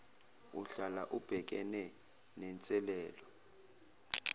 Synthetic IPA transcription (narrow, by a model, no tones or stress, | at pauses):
uɬalaʔub̥ʱɛk̬ʼɛnɛ | nɛnt͡sʼɛlɛːlɔ